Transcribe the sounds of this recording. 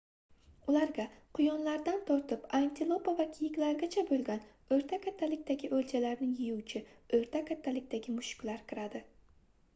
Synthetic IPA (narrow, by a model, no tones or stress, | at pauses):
ʊlaɾɡʲaqʰʊjɒnlaɾd̪ant̪ʰɒɾt̪ɪpant̪ʰɪlˠopavakʲʰɪjɪkʲlaɾɡʲat͡ʃʰabolˠɡʲan | ɵɾt̪ʰakʲʰat̪ʰːalɪkʲd̪aɡʲɪʔɵlt͡ʃʰalaɾnɪŋjɪjuwt͡ʃʰɪɵɾt̪ʰakʰʲat̪ʰːalɪkʲd̪aɡʲɪmʊʃʊ̥kʲlaɾkʲʰɪɾad̪ɪ